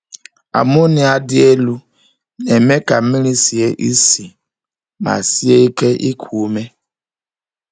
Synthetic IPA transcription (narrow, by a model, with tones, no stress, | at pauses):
a̰˨mu˦nɪ˨a˨dɪ˦e˦lu˦ | ne˨me˦ka˨˦mi˦ɾi˦si˨e˦ʔi˦si˨ | ma̰˨si˦e˦i˦ke˦ʔi˦kʰu˨˦me˦